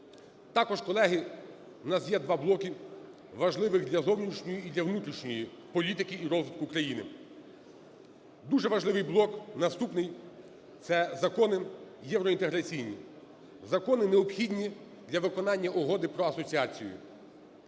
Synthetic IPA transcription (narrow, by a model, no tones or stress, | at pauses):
t̪ɑkɔʒkɔlˠɛɦi | nɑzjɛd̪ʋɑblˠɔkʲi | ʋɐʒlˠɪʋɪxd̪lʲɐzɔwnʲit͡ʃnʲɔjiid̪lʲɐʋnut̪ɾʲiʃnʲɔji | pɔlʲit̪ɪkʲiːɾɔzʋɪt̪̚kʊkɾɐjinɪ̰ | d̪uʒɛʋɐʒlˠɪʋɪjblˠɔknɐst̪upnɪj | t̪sɛzɐkɔnɪjɛwɾɔint̪eɦɾɐt͡sʲijnʲḭ | zɐkɔnɪneɔpxʲidʲnʲi | d̪lʲɐʋɪkɔnɑnʲːɐʔɔɦɔd̪ɪpɾɔɐsɔt͡sʲiɑt͡sʲijʊ̰